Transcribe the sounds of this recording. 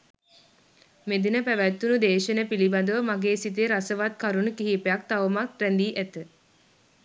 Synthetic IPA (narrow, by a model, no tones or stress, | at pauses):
med̪inəpæʋæt̪ːunud̪eːʃənəpiliband̪əʋəmaɡeːsit̪̬eɾasəʋat̪kaɾunukiɦiːpejak̚t̪aʋəmak̪̚ɾænd̪iːʔæt̪ə